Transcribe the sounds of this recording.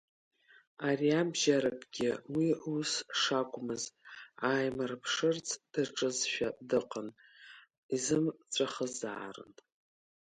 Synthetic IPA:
ariabʒaɾakʼɡʲɪwiusʂakʷʼmɨzaːjmɨrpʰʂɨrt͡sʰd̥ɨrʈ͡ʂʼɨzʃᶣadɨqʼən | izɨmt͡ɕʷʼaχəza̰ːrɨ̰n

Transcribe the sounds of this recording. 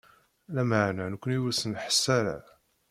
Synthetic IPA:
læməʕnænəkʷːəniwæsəmħə̥sːæɾa̰

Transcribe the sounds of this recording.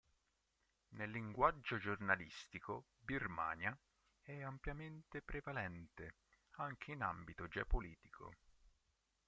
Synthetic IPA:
nelːiŋɡwad͡ʒːod͡ʒornalist̪iko | birma̰ːnja | ɛampjament̪epɾevalɛnt̪e | aŋk̟ʰeinambit̪od͡ʒɛpoliːt̪ikʰo̰

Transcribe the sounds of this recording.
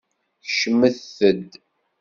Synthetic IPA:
çʃməθəd̪

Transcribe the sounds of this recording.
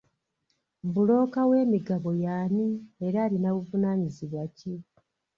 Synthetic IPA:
bulo̞ːkawe̞ːmiɡaβo̞jaːnieɾaːlinaβuvunaːɲiziβwace

